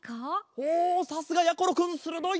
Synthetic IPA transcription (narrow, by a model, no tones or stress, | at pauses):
kaosasɨɡajakːoɾokɯnsɯɾɯd̪o